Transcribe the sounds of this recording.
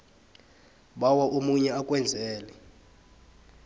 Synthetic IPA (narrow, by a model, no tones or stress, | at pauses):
ɓawaʔomuɲɛakʼwɛnd͡zʱɛːlɛ